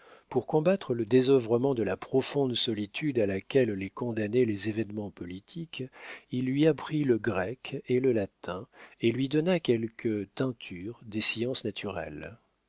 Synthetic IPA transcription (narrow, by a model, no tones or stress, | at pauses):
puʁkɔ̃bat̪χələd̪ezɔvʁəmɑ̃d̪əlapχɔfɔ̃d̪sɔlit̪ʰyd̪alakʲɛlːekɔ̃d̪anɛlezevɛnmɑ̃pɔlit̪ʰikilːɥiapχiləɡʁɛkeləlat̪ɛ̃elɥid̪ɔnakʲɛlkʰət̪ɛ̃t̪ʰyʁd̪esiɑ̃snat̪ʰyʁɛ̰l